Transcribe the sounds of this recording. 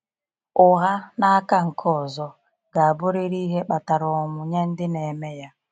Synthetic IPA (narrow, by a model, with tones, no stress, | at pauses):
ʊ˨ɣa˦na˦a˦ka˦ŋ̩˨kʰɔ˦˨zɔ˨ | ɡaː˨bo˦ɾe˦ɾi˦ɦe˦ɓa˨ta˨ɾɔ˨mʊ˨ɲa˦n̩˦dɪ˦ne˨me˦ja˦